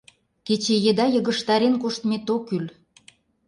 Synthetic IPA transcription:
ket͡ɕejed̪ɑjɤɣə̆ʃt̪ɑɾenkoʃt̪met̪okyl

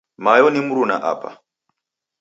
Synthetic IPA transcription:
majɔnimuɾunaʔa̰ːpʰa̰

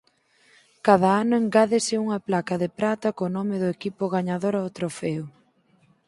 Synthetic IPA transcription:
kað̞ɐanɐeŋɡaðɪsɪuŋɐplakɐðɪpɾat̪ɐkonɔmɪðʊekipʊɣaɲaðoɾɐot̪ɾofɛʊ

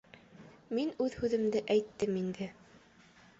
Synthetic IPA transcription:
minʉðhʉðɘ̆md̪ɘʔæjt̪ːɘmind̪ɘ

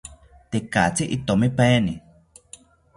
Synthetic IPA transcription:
t̪eka̰t͡siʔit̪omipeni

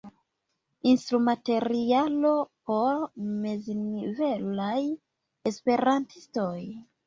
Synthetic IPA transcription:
instɾumate̞ɾialo̞po̞ɾmeznivelaj | espe̞ɾantʰisto̞j

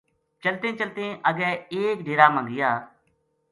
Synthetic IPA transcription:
t͡ʃəlt̪ẽːt͡ʃəlt̪ẽːʔəɡɛːeːk̚ɖʱeːɾaːmãŋɡɪjaː

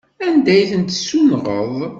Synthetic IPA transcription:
ænd̪æjθənt̪sumʁəðˤ

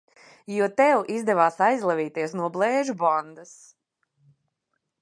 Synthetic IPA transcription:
juɔt̪ɛwʔizd̪ɛvaːsajzlˠɛviːt̪iɛsnuɔblˠɛːʒubɔnd̪as

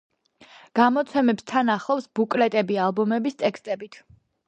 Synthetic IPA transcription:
ɡ̥amɔt̪sʰɛmɛpst̪ʰanaχlˠɔpsbukʼlɛt̪ʼɛbialˠbɔmɛbist̪ʼɛkst̪ʼɛbit̪ʰ

